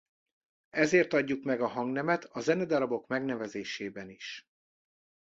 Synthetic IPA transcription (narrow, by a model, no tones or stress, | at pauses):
ɛzeːrt̪ɒɟːukmɛɡɒɦɒŋɡnɛmɛt̪ʰɒzɛnɛd̪ɒɾɒbo̞kmɛɡnɛvɛzeːʃeːbɛniʃ